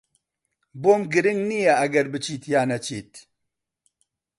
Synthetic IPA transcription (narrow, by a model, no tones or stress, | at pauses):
boːmɡɨɾɨŋɡnijɛɐɡɐɾbɨt͡ʃʰiːt̪jaːnɐt͡ʃʰiːt̪